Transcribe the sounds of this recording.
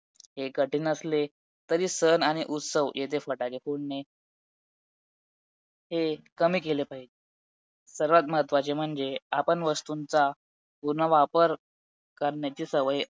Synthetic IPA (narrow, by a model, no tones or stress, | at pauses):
ɦekəʈiːnəsle | t̪əɾiːsənaɽ̃iʔut̪səʋjet̪ʰefəʈakefuɽne | ɦekəmiːkelepaɦid͡ʑe | səɾʋat̪məɦət̪ʋat͡ɕem̤əɳd͡zeapəɳʋəst̪unt͡sa | puɾnaʋapəɾ | kəɾɳjat͡ɕiːsəʋəj